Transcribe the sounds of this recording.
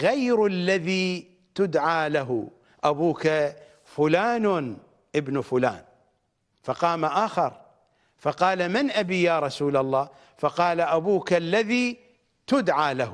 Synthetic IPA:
ɣajɾalːaðiː | t̪ʊd̪ʕaːlaɦʊ | ʔabuːka | fʊlaːn | ʔɪbnfʊla̰ːn | fɑqɑːmaʔaːxɑɾˤ | fɑqɑːlamɪnʔabiːjaːɾˤɑsuːlalˤːɑː | fɑqɑːlaʔabuːkalːaðiː | t̪ʊd̪ʕaːlah

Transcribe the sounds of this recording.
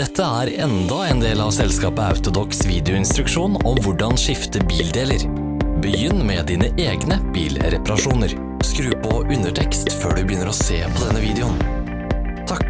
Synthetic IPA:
d̪ɛt̪ʰːəæɾɛnd̪ɔɛnd̪eːlɑʋsɛlskɑːpəɑ̰ʉt̪ʊd̪ɔksʋiːd̪ɛʊɪnst̪ɾʉkʂuːnɔmʋʊɖɑnʂɪft̪əbiːld̪eːləɾ | bəjʏnːmɛd̪iːnəʔeːɡnəb̥iːlɾɛpɑɾɑʂuːnəɾ | skɾʉːpʰɔʔʉnəʈʰɛkst̪fø̰ːɖʉbəjʏnːəɾɔseːpʰɔd̪ɛnːəʋiːd̪ɛʊn | t̪ʰɑk

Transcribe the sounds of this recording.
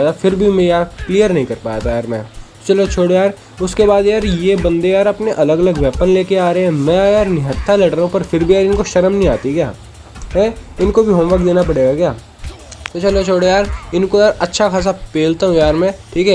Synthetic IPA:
t̪afɪɾbʱimẽjaːɾkliːjəɾnɐɦĩkɐɾpaːjat̪ajaːɾmɛ̃ː | t͡ʃɐlot͡ʃʰoːɽojaːɾ | ʊskebaːd̪jaːɾjebɐ̃nd̪ejaːɾɐpneʔɐləɡɐləɡʋɛːpənleːkeaːɾeɦɛ̃mɛ̃jaːɾnɪɦət̪ʰːalɛːʈəɾõpɐɾfɪɾbʱijaːɾɪnkoʃɐɾəmnɦĩaːt̪ikjaː | ɦɛ̃ɪnkobʱiɦoːmʋaːkd̪eːnapɐɽeːɡakjaː | t̪ot͡ʃɐlot͡ʃʰoːɽojaːɾɪnkojaːɾɐtːʃʰakʰaːs̬apeːlt̪aɦũjaːɾmɛ̃ːʈʰiːkɛː

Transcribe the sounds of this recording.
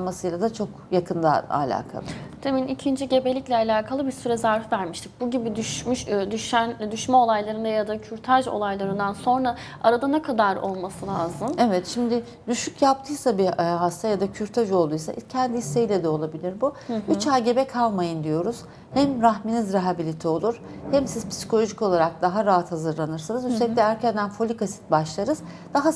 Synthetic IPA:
masɯjlˠad̪at͡ʃʰo̞k | jakʰɯnd̪aa̰lʲa̰ːkʰa̰t̪ʰeminicʰind͡ʒiɟe̞be̞lʲicʲlʲɛalʲaːkʰalˠɯbiɾsyɾɛzaɾvɯvæɾmiʃt̪ʰic̚buɟibid̪yʃmyʃd̪yʃænd̪yʃmɛo̞lˠajlˠaɾɯnd̪ajad̪acʰyɾt̪ʰaʒo̞̰lˠajlˠaɾɯnd̪anso̞nɾa | aɾad̪anɛkʰad̪aɾo̞lˠmasɯlʲˠaːzɯmevɛt̪ʃimd̪ɪ | d̪yʃycjap̚t̪ʰɯjsabiɦast̪ʰajad̪acʰyɾt̪ʰaʒo̞lˠd̪ujsa̰ʔcʰɛnd̪iisːejlʲɛd̪ɛo̞lˠabilʲiɾbuyt͡ʃaːɟe̞bɛkʰalˠmajɯnd̪ijo̞ɾuz̥ | hɛmɾaɦminizɾaɦabilʲit̪ʰɛo̞lˠuɾ̥ | hɛmsiz̥pʰi̥si̥kʰolʲo̞ʒico̞lˠaɾak̚d̪aɦaɾaɦat̪hazɯɾlˠanɯɾsanɯzysʰɛlʲic̪lʲɛæɾcʰænd̪ænfo̞lʲikʰasi̥t̪̚baʃlˠaɾɯz̥ | d̪̥aɦa

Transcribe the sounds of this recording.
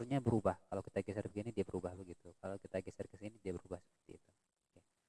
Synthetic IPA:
rɲabəɾubahkalowkit̪aɡɛsɛrbəɡinidiabəɾubahbəɡit̪ukalakit̪aɡɛsɛrkəsinidiabəɾubahsə̥pərt̪ḭːt̪u | ke

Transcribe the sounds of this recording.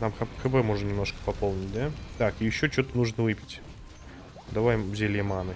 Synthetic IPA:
namxpxɨbɛmo̞ʐnənʲɪmno̞ʂkə̥pɐpo̞lˠnʲɪt̚ʲd̪at̪akɪjɪɕːot͡ɕot̪ənuʐnəvɨpʲɪ̥tʲ | d̪ɐvajzʲelʲjəmanɨ

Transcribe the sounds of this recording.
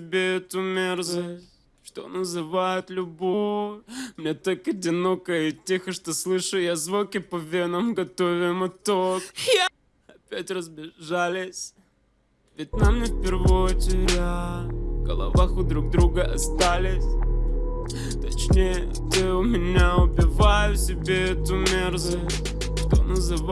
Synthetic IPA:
tʲɪbʲeɛt̪ʊmʲerzəsʲ | ʂt̪o̰nəzɨvajʊt̪lʲʊbo | mnʲet̪olʲkɐdʲɪno̞kəɪtʲːixəʂt̪oslˠɨʂʊjazvokʲɪpɐvʲenəmɡɐt̪ovʲɪmɨt̪ok | ɐpʲætʲrəzbʲɪʐalʲɪsʲ | vʲɪt̚ʲnamnʲefpʲɪrvotʲɪɾʲaɡə̰lˠɐ̰vaxʊd̪ɾuɡ̚d̪ɾuɡəʔɐst̪alʲɪsʲ | t̪ɐt͡ɕnʲejə | t̪ɨʊmʲɪnʲaʊbʲɪvajʊsʲɪbʲe̞ɛt̪ʊmʲerzəsttʲ | ʂt̪o̰nəzɨ

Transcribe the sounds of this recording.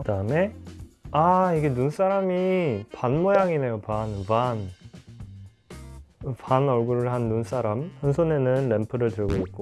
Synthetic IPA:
kkɯdaɯme̞ | aiɡe̞nuns͈aɾamipanmojaŋine̞jopanpan | panʌɭɡuɾɯɭɦanːuns͈aɾamhʌnsʰone̞nɯnle̞mpʰɯɾɯɭtɯɭɡoit̚k͈o

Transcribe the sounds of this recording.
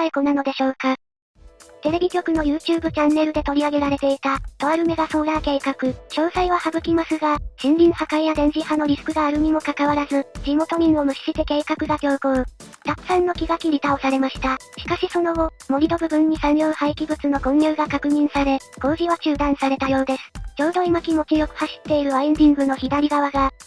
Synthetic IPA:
aekonano̞d̪e̞ɕo̞ːka | t̪e̞ɾe̞bʲikʲo̞kɯ̟no̞jɯ̟ːt͡ɕɨːbɯ̟t͡ɕãnːe̞ɾɯ̟d̪e̞t̪o̞ɾʲiaɡe̞ɾaɾe̞t̪e̞it̪at̪o̞aɾɯ̟me̞ɡaso̞ːɾake̞ːkakɯ̟ɕo̞ːsaiβ̞ahaɡɯ̟kʲimasɨɡaɕĩnɾʲĩɰ̃hakaijad̪ẽ̞ɲ̟d͡ʑihano̞ɾʲisɨ̥kɯ̟ɡaːɾɯ̟mʲimo̞kakaβaɾazɨd͡ʑimo̞t̪o̞ɲ̟ĩɰ̃o̞mɯ̟ɕi̥ɕit̪e̞ke̞ːkakɯ̟ɡakʲo̞ːɡo | t̪akɯ̟̥sãnːo̞kʲiɡakʲiɾʲit̪aosaɾe̞maɕi̥t̪aɕi̥kaɕiso̞no̞ɡo̞mo̞ɾʲid̪o̞bɯ̟bɯ̟̃ɲ̟ːisãnjʲo̞ːhaikʲibɯ̟t͡sɨno̞ɡõ̞ɲjɯ̟ːɡakakɯ̟ɲ̟ĩɰ̃saɾe̞ɡ̥o̞ːʑiβat͡ɕɨːd̪ãɰ̃saɾe̞t̪ajo̞ːd̪e̞sɨ̥d͡ʑo̞ːd̪o̞imakʲimo̞kʲijo̞kɯ̟̥haɕi̥t̪ːe̞iɾɯ̟aind̪ʲĩŋɡɯ̟no̞çid̪aɾʲiɡaβaɡa

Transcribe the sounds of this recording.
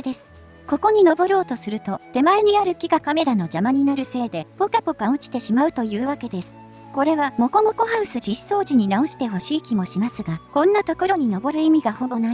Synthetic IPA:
d̪e̞sɨ̥ | ko̞ko̞ɲ̟ino̞bo̞ɾo̞ːt̪o̞sɨɾɯ̟t̪o̞t̪e̞maeɲ̟iaɾɯ̟kʲiɡakame̞ɾano̞d͡ʑamaɲ̟inaɾɯ̟se̞ːd̪e̞pokapokaot͡ɕi̥t̪e̞ɕimaɯ̟t̪o̞jɯ̟ːβake̞d̪e̞sɨ̥ | ko̞ɾe̞βamo̞ko̞mo̞ko̞ɦaɯ̟sɨʑi̥so̞ːʑiɲ̟inao̞ɕi̥t̪e̞ɦo̞ɕiːkʲimo̞ɕimasɨɡakõ̞nːat̪o̞ko̞ɾo̞ɲ̟ino̞bo̞ɾɯ̟imʲiɡaho̞bo̞nai

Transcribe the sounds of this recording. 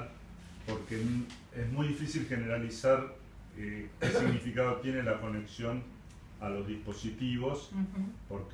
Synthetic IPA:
po̞ɾken | ezmujðifisilxeneɾalisaɾ | ekesiɣnifikaðo̞t̪je̞nelako̞neksjo̞n | alo̞zðispo̞sit̪iβo̞spo̞ɾk

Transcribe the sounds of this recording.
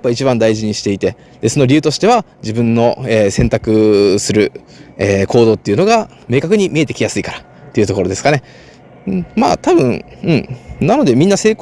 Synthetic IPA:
apːait͡ɕibãnd̪aiʑiɲ̟iɕi̥t̪e̞it̪e̞ | d̪̥e̞sonoɾʲiɯ̟ːt̪o̞ɕi̥t̪e̞βa | d͡ʑibɯ̟̃nːo̞eːsẽnt̪akɯ̟sɨɾɯ̟ | eːko̞ːd̪o̞ːt̪ːeiɯ̟no̞ɡa | me̞ːkakɯ̟ɲ̟imʲiet̪e̞kʲijasɨikaɾa | t̪ːe̞iɯ̟t̪o̞ko̞ɾo̞d̪e̞sɨ̥kane̞ | ma̰ːt̪abɯ̟̃ɴɯ̟̃ɴnano̞d̪e̞mʲĩnːase̞ːk

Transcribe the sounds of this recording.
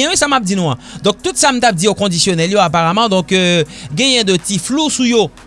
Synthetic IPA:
ɛ̃ɛsamap̚d̪inɔ̃ãd̪ɔ̃k̚t̪ut̪sam̩t̪ap̚d̪iokɔ̃d̪isjonɛljoapaʁamɑ̃d̪ɔ̃køɡɛ̃jɛ̃d̪ət̪iflusujo

